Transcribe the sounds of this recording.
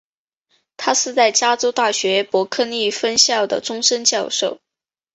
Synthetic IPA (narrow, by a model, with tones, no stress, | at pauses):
t̪ʰa˥ʂɻ̩˥˧t͡sa˥˩ɪt͡ɕja˥ʈ͡ʂo˥ʊt̪a˥˩ɕɥɛ˧˥pwɔ˧˥kʰɤ˥˧ni˥˩fə˥nɕjɑ˥˩ʊd̪ə̰˩ʈ͡ʂʊ˥ŋʂə˥nt͡ɕjɑ˥˧ʊʂo˥˩ʊ